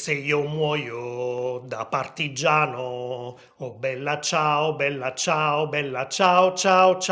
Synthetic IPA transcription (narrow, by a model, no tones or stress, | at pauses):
seiːomwɔːjod̪apart̪id͡ʒːaːno | ɔbɛlːat͡ʃaːobɛlːat͡ʃaːobɛlːat͡ʃaːot͡ʃaːot͡ʃ